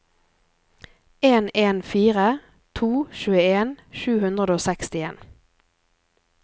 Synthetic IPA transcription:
eːneːnfiːʁə | t̪ʰuːʃʉːəeːnʃʉːhʉnd̪ʁəd̪oːsɛkst̪ɪeːn

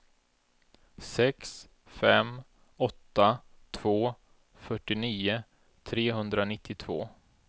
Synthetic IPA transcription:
sɛks | fɛm | ɔt̪ːat̪ʰv̥oː | fœʈːɪniːʊ | t̪ʰɾeːɦɵnd̪ɾanɪt̪ʰːɪt̪ʰv̥o̰ː

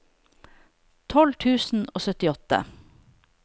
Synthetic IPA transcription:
t̪ʰɔlt̪ʰʉːsn̩oːsœt̪ɪɔt̪ə̰

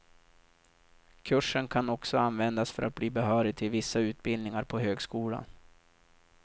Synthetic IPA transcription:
kʰɵʂənkʰanɔksɔanvɛnd̪asfœɾʔa̰t̪̚bliːbɛɦœːɾɪɡ̚t̪ʰɪlvɪsːaʉ̟ːt̪̚bɪld̪nɪŋaɾpʰɔɦøːɡskuːla̰n

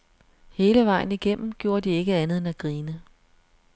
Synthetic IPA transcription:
he̝ːləʋɑ̈ɪ̰n̩iɡ̥en̰m̩ɡ̥jo̝ːɐd̥ie̝ɡ̥əænð̞̩ˠenæɡ̥ʁiːnə

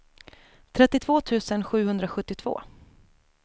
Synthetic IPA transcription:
t̪ʰɾɛt̪ːɪt̪ʰvoːt̪ʰʉ̟ːsənɧʉ̟ːhɵnd̪ɾaɧɵt̪ːɪt̪ʰv̥o̰ː

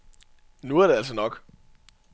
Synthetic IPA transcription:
nuæɐɾe̝æls̬ənɒ̽ɡ̥

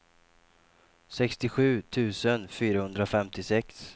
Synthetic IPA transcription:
sɛkst̪ɪɧʉ̟ːt̪ʰʉ̟ːsənfyːɾahɵnd̪ɾaɔfɛmt̪ɪsɛks

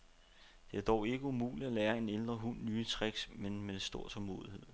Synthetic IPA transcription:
d̥e̝æɐd̥ɒʊe̝ɡ̥əumṵːli̥ælɛːɐe̝neld̥ʁɐɦun̰ːyːət͡sʰʁeɡ̥smenmesd̥o̝ɐ̰sʰɒmo̝̰ːð̞ˠihe̝ð̰ˠ

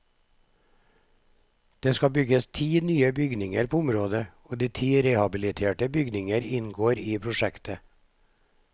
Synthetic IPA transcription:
d̪̥eːskɑbʏɡəst̪ʰiːnyːəbʏɡnɪŋəɾpʰoːʊmɾoːd̪əoːd̪iːt̪ʰiːɾeːhɑbɪlɪt̪ʰeːʈəbʏɡnɪŋəɾɪnɡoːɾiːpʰɾʊʃɛkt̪ə

